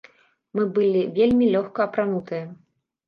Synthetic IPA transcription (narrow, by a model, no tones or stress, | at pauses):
mɨbɨlʲivʲelʲmʲilʲɔxkɐɐpɾanut̪ɨjɐ